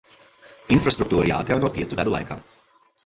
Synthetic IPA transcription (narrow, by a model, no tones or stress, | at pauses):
infɾast̪ɾuk̚t̪uːɾija̰ːt̪jaːnoːpʲiːɛt̪ʊvɛ̰d̪ʊlˠa̰jka̰m